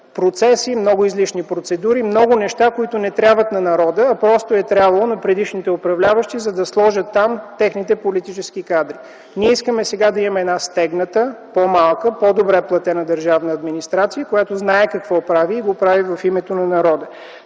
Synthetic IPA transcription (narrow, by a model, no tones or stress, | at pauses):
pɾot̪sɛsimnɔɡʊizliʃnipɾot̪sɛd̪uɾimnɔɡʊnɛʃt̪akoit̪ʊnɛt̪ɾʲabvət̪nɐnɐɾɔd̪əːpɾɔst̪oɛt̪ɾʲabvɐlˠonɐpɾɛd̪iʃnit̪ɛopɾɐvlʲavəʃt̪izɐd̪ɐslˠɔʒət̪ːamt̪ɛxnit̪ɛpolit̪it͡ʃɛskikad̪ɾi | niɛiskəmɛsɛɡad̪ɐimɐmɛːd̪nast̪ɛɡnət̪əpomalˠkəpod̪obɾɛplˠɐt̪ɛnəd̪əɾʒavnəɐd̪minist̪ɾat̪sijəkojat̪oznaɛkɐkvɔpɾaviːɡopɾavivɐfimɛt̪onɐnɐɾɔd̪ə